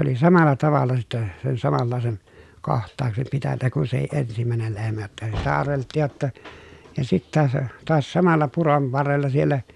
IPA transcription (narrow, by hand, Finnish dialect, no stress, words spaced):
oli sɑmɑlːɑ tɑʋɑlːɑ sitːɛ sen sɑmɑlːɑˑesen kohtˑɑːksem pitænːæ kun sehi ʔensimæˑenel lehmæ jotːɑ sitæ ɑrʋeltːiːj jotːɑ jɑ sitːæ se toɑs sɑmɑlːɑ puron ʋɑrːelːɑ sielːæ